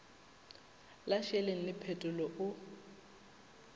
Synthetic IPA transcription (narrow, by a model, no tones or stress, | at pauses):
laʃɛleŋ̩lɪpʰɛtʼʊlɔʔʊ